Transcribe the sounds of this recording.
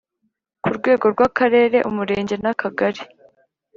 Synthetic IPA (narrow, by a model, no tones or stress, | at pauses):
kuɾɡwe̞ːɡo̞ɾɡwakaɾe̞ːɾe̞ʔumuɾe̞ːɲɟe̞nakʰaɡaɾi